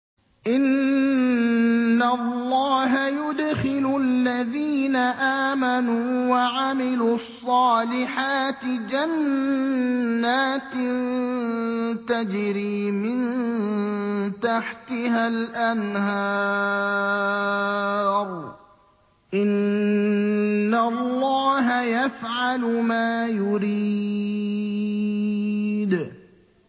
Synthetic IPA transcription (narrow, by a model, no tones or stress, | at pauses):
ʔɪn | alˤːɑːɦajʊd̪xɪlʊlːaðiːnaʔaːmanuːwaʕamɪluːɑsˤːɑːlɪħaːt̪ɪd͡ʒan | aːt̪ | t̪ad͡ʒɾiːmɪnn | t̪aħt̪ɪhalʔanhɑ | ɾˤ | ʔɪn | allːɑːɦajafʕalʊmaːjʊɾi | d̪